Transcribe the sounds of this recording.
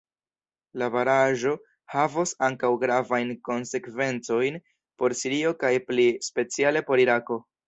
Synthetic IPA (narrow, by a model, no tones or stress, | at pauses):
lavaɾaʒo̞ | havosaŋkawɡɾavajnko̞nse̞kve̞nt͡so̞jn | po̞ɾsiɾio̞kajplispe̞t͡siale̞po̞ɾiɾako̞